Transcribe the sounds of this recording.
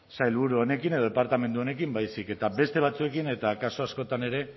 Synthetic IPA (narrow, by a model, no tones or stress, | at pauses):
sajlβuɾuone̞kineð̞o̞e̞paɾt̪ame̞nd̪uo̞ne̞kimbajsike̞t̪abe̞st̪e̞β̞at͡sue̞kine̞t̪akaso̞asko̞t̪ane̞ɾe̞